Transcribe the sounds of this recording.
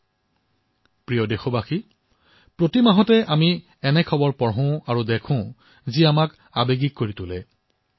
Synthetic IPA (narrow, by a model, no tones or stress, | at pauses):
pɹijɔdexɔbaxi | pɹotimaɦɔtɛʔami | ɛnɛkʰɔbɔɹpɔɹɦʊ̃aɹudekʰʊ̃ | ziamak | abeɡikːoɹitʊlɛ